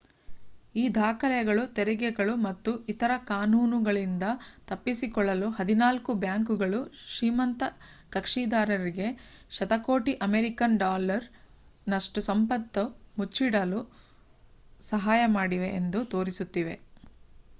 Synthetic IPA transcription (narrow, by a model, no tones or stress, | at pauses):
iːd̪ʱaːkɐljɐɡɐɭut̪ɛɾɛɡɛɡɐɭumɐt̪ːuit̪ɐɾɐkaːnuːnuɡɐɭind̪ɐt̪ɐpːisikɔɭːɐluɦɐd̪inaːlkubjaːŋkuɡɐɭuʃiːmɐnt̪ɐ | kɐkʂiːd̪aːɾɐɾiɡe̞ | ʃɐt̪ɐko̞ːʈiʔɐmeɾikɐnɖaːlɐɾ | nɐʂʈusɐmpɐt̪ːɐmut͡ʃːiɽɐlu | sɐɦaːjɐmaːɽiʋe̞ʔːnd̪ut̪o̞ːɾisut̪ːiʋe̞